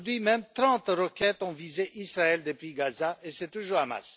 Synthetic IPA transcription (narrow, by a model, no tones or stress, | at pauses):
d̪ɥimɛmt̪ʁɑ̃t̪ʁəkʲɛt̪ɔ̃vizeʔisʁaɛld̪əpɥiɡazaesɛt̪uʒuʁama̰s